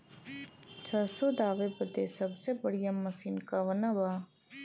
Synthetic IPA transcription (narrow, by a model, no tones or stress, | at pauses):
t͡ʃʰəsod̪aːʋepəd̪esəbsebəɽ̤ijamːəsiːnkaʋənabaː